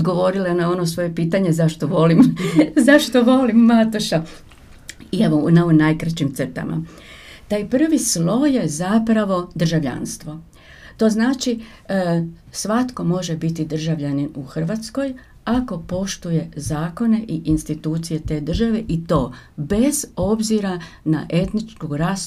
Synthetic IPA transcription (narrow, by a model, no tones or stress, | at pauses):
od̪ɡo̞ʋo̞ɾilenao̞nosʋo̞je̞piːt̪aɲe̞zaʃt̪o̞ʋo̞limzaʃt̪o̞ʋo̞limːat̪uʃa | ieʋonaunajkɾat͡ʃimt̪st̪a̰mʔa̰ | t̪ajpr̩ʋislo̞je̞zapɾaʋo̞d̪r̩ʒaʋʎa̰nst̪ʋo̞ | t̪o̞ːznaːt͡ʃi | sʋat̪ko̞mo̞ʒe̞bit̪id̪r̩ʒaʋʎaninuxr̩ʋat̪sko̞j | ako̞po̞ʃt̪uje̞zaːko̞ne̞ʔiʔinst̪it̪uːt̪sije̞t̪e̞ːd̪r̩ʒaʋe̞ʔit̪o̞ːbe̞z̥o̞bziɾana̰ʔe̞t̪nit͡ʃkuɾas